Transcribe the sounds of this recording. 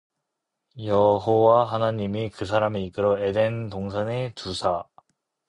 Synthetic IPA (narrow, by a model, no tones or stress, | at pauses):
jʌɦowaɦanaɲimikɯs̬ʰaɾameik͈ɯɾʌedentoŋs̬ʰʌnetusʰa